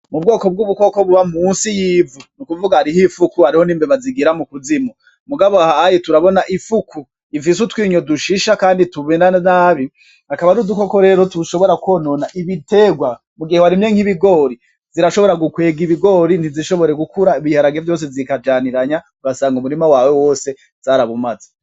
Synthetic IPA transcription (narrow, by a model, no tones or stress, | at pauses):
mub̚ɡo̞ːkob̚ɡuβuko̞ko̞βuβamuːnsijiːvunukuvuɡahaɾihifukuhaɾiho̞niːmbeβaziɡiɾamukuzimo | muɡaβohajotuɾaβo̞naʔifukʰu | ivis̬utwiːɲoduʃiʃakaːndituβenanaːβi | akaβaɾudukokoɾe̞ːɾo̞tuʃo̞βo̞ɾako̞nonaʔiβite̞ɡwa | muɡihewaɾimɲeŋ̥hiβiɡo̞ɾi | z̥iɾaʃo̞βo̞ɾaɡukwe̞ːɡiβiɡo̞ːɾin̥iziʃo̞βo̞ɾe̞ɡukuɾaiβihaɾaɡevjo̞ːs̬ezikad͡ʒaːniɾaɲa | uɾasaːŋɡumuɾimawaːwewo̞ːse̞ | z̥aːɾaβumaza